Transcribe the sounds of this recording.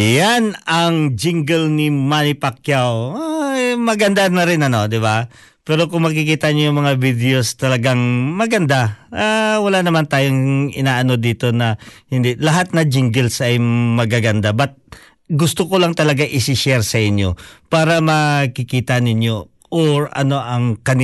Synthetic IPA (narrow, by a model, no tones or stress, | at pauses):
janɐŋd͡ʒɪŋɡɛlnɪmanɪpakjaw | mɐɡɐnd̪anɐɾɪnɐno̞d̪ɪba | pɛːɾo̞kʊŋmɐk̬ɪkiːt̪ɐɲojʊŋmɐŋavid̪ɛo̞st̪ɐlɐɡaŋmɐɡɐnd̪aʔawɐlanɐmant̪aːjoŋɪnaːʔɐno̞d̪iːt̪o̞nɐhɪnd̪ɪlɐɦat̪̚nɐd͡ʒɪŋɡɛlsʔɐjmɐɡaɡɐnd̪abɐt̪̚ | ɡʊst̪okolɐŋt̪ɐlɐɡaŋʔɪsɪʃɛɾsɐʔɪnjo̞̰paːɾɐmɐkɪkiːt̪ɐnɪɲjo̞ | ʔoɹɐ̰no̞ʔɐŋkɐnɪ